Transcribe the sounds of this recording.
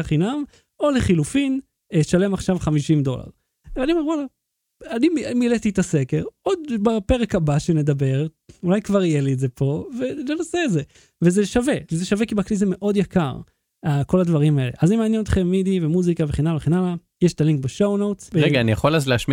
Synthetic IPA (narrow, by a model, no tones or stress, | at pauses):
aχinam | o̞leχilufin | eʃale̞maχʃavχamiʃimd̪o̞̰la̰ʁ | veaniomewola | animmilet̪iet̪asekeʁod̪bape̞ʁekabaʃene̞d̪abe̞ʁ | ulajkvaʁijeliːdze̞pʰo̞ve̞lenaseːze | vezeʃave̞zeʃavekibaklizeme̞ʔo̞d̪jaka̰ʁ | ako̞lad̪vaʁimae̞le̞̰ʔazimeaːnjenot̪χemːid̪ivemuzikaveχenamveχenala | jeʃt̪aliŋk̚beʃo̞wno̞wt͡sʁeɡaːnijaχolazleaʃmi